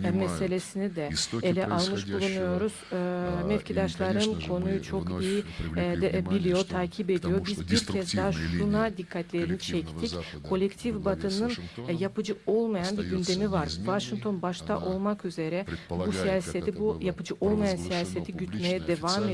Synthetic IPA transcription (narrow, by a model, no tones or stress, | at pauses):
mɛse̞lʲesinid̪ɛelʲɛʔʔalˠmɯʃbulˠunujo̞ɾuz̥mɛfcid̪aʃlˠaɾɯnkʰo̞nujut͡ʃʰo̞kijid̪bilʲijo̞t̪ʰaːcʰibe̞d̪ijo̞bizbiɾcʰɛzd̪aɦaʃunad̪ikʰːat̪lʲe̞ɾinit͡ʃʰɛct̪ʰickʰo̞lʲɛct̪ʰifbat̪ʰɯnnɯnjapɯd͡ʒɯo̞lˠmajanbiɾɟynd̪e̞mivaɾvaʃiŋkt̪ʰo̞nbaʃt̪ʰa̰ʔo̞lˠmakyze̞ɾɛbusijaːset̪ibjapɯd͡ʒɯʔo̞lˠmajansijaːset̪ʰiɟyt̪mejɛd̪evam